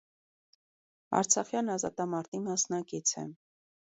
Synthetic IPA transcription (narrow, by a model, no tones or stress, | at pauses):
ɑ̰ɾt͡sʰɑχjɑnɑzɑ̰t̪ɑmɑɾt̪imɑsnɑkit͡sʰɛ̰